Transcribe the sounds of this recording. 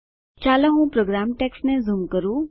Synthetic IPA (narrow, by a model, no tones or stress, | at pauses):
t͡ʃaːlaɦũpɾoːɡɾaːmʈeːksnẽzumkəɾu